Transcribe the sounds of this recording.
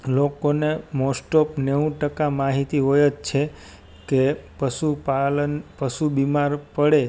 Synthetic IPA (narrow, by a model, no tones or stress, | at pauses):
lokonemɔsʈopneũʈəkamaɦit̪iɦojət͡ʃt͡ʃʰe | kepəsupalənpəʃubimaɾpəɽe